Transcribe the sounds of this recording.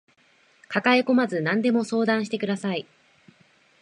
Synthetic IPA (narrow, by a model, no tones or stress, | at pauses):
kakaeko̞mazɨnãnd̪e̞mo̞so̞ːd̪ãɰ̃ɕi̥t̪e̞kɯ̟d̪asai